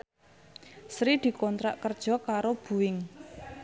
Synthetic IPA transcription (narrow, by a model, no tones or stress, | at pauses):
sɾid̪̥i̤kɔnt̪ɾa̰ʔkərd̥ʒ̥ɔ̤kaɾob̥ṳwɪŋ